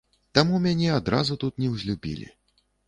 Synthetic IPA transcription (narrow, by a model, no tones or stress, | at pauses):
t̪amumʲanʲɛad̪ɾa̰zut̪ut̪nʲɛwzʲlʲubʲḭlʲḭ